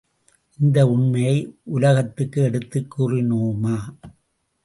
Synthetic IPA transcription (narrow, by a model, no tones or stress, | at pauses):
ʔɪnd̪ɐʊɳmɐjɐɪʔʊlɐɣɐt̪ːɯkːɯɛɽɯt̪ːɯkːuːrɪnuːmaː